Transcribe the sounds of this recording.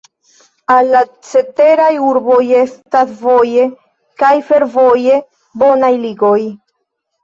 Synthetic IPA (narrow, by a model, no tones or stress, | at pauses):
alːat͡se̞te̞ɾajuɾbo̞je̞stasvo̞je̞ | kajfe̞ɾvo̞je̞ | bonajliɡo̞j